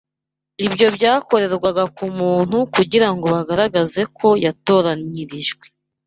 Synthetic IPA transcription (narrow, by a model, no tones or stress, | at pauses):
ibjo̞bɟaːko̞ɾe̞ɾɡwaɡakumuːn̥hukuɟiɾaŋɡo̞βaɡaɾaɡaze̞kʰo̞jato̞ːɾaɲiɾiʒɡwe̞